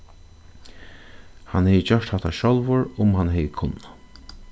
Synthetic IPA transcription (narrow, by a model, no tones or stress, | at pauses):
ha̰nhɛjət͡ɕœʂt̪hat̪ʰaʃɔlʋʊɹʊmhanhɛjəkʰʊnːa